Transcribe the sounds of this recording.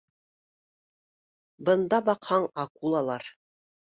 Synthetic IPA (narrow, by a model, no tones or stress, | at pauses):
bɤ̆nd̪ɑbɑqhɑɴɑkulˠɑlˠɑɾ